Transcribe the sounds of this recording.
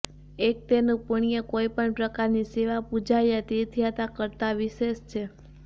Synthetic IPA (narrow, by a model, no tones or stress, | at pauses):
ek̚t̪enũpəɳ̃ijəkoipəɳpɾəkaɾniseʋapud͡ʒajat̪it̪ʰijat̪akəɾt̪aʋiʃeʃt͡ʃʰe